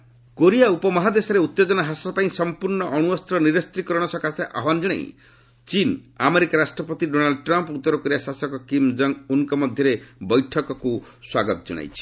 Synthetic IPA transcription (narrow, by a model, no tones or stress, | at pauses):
koɾijaupɔmɔɦad̪esɔɾeut̪ːed͡ʒɔnaɦasɔpaĩsɔmpuɾɳɔʔɔɽ̃uɔst̪ɾɔniɾest̪ɾikɔɾɔɽ̃ɔsɔkʰaseʔaɦɔnd͡ʒɔɽ̃ḛḭ̃ | t͡ʃinameɾikaɾasʈɾɔpɔt̪iɖonalɖɔʈɾamput̪ːɔɾɔkɔɾiasasɔkɔkimd͡ʒɔŋuŋkɔmɔd̪ʱjɔɾebɔjʈʰɔkɔkuswaɡɔt̪ɔd͡ʒɔ̰ɽ̃a̰jt͡ʃʰi̥